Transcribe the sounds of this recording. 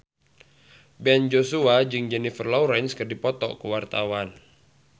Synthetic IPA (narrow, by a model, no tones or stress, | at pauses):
bɛnd͡ʒosuad͡ʒɨŋd͡ʒɛnifərlawɾɛnskərdipɔt̪ɔ̰kəwart̪awan